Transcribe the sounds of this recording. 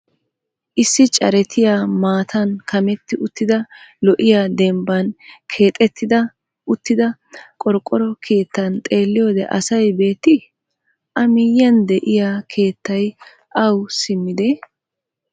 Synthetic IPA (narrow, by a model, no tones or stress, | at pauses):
ʔɪsːɪt͡ʃʼɐ̰ɾɛt̪ʰɪjaːmaːt̪ʰɐnkʰɐmɛt̪ːɪʔʊt̪ːɪd̪ɐlɔʔɪjad̪ɛmbɐnkʰe̞ːt̪ʼːɛt̪ːɪd̪ɐ | ʊt̪ːɪd̪ɐ | kʼɔɾkʼːɔɾɔkʰe̞ːt̪ːɐnt̪ʼe̞ːlːɪjo̞ːd̪ɛʔɐ̰sɐjbe̞ːt̪ːɪ | ʔɐmɪjːɐnd̪ɛʔɪjaːkʰe̞ːt̪ːɐj | ʔɐwsɪmːɪd̪ɛ